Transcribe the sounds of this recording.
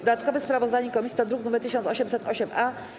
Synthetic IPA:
d̪at̪kɔvɛspɾavɔzd̪aɲɛkɔmʲisʲit̪ad̪ɾuknumɛɾt̪ɘɕ̬ɔnsɔɕɛmsɛt̪ɔɕɛma

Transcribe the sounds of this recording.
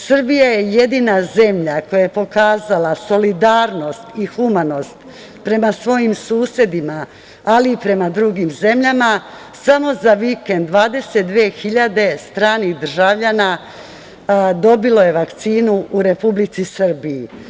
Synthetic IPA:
sr̩bijaje̞je̞d̪iːnaze̞mʎako̞jajepo̞kaːzalaso̞lid̪aːɾno̞st̪ixumano̞st̪ | pɾe̞masʋo̞jimsuːsje̞d̪imaː | liːpɾe̞mad̪ɾuɡiːmze̞mʎama | samo̞zaʋike̞nd̪ʋaːd̪e̞set̪̚d̪ʋeːxiʎad̪e̞st̪ɾaːnid̪r̩ʒaʋʎana | d̪o̞bilo̞je̞ʋakt̪siːnuuɾe̞publit̪sisr̩biji

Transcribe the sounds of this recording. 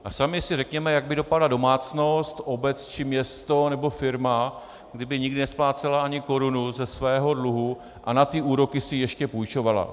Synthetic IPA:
ʔasamɪsɪrɛkɲɛmɛjaɡ̚bɪdo̞padlado̞maːt͡sno̞st̪ʔo̞bɛt͡st͡ʃɪmɲɛst̪o̞nɛbo̞fɪɾma | ɡdɪbɪɲɪɡdɪnɛsplaːt͡sɛlaaɲɪko̞ɾunuzɛsvɛːɦo̞dluɦu | ʔa̰nat̪ɪʔuːɾo̞kɪsɪjɛʃcɛpujt͡ʃo̞vala̰

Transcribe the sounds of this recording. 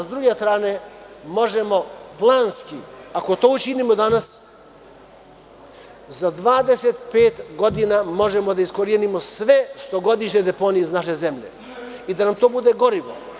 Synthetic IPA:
zd̪ɾuɡʲɛst̪ɾanɛmɔʒɛmɔplˠanskiakot̪ɔut͡ʃinimɔd̪anas | zad̪vad̪ɛsɛt̪pɛt̪ɡɔd̪inamɔʒɛmɔd̪aiskɔɾjɛnimɔsvɛst̪ɔɡɔd̪iʃnɛd̪ɛpɔniːznaʃɛzɛmʎɛ̰ | id̪anamt̪ɔbud̪ɛɡɔɾivɔ̰

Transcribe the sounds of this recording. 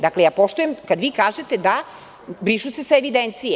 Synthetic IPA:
d̪aklejaːpo̞ʃt̪ujemkad̪ʋiːkaːʒe̞t̪e̞d̪a | bɾiʃuse̞saeʋid̪ent̪sije

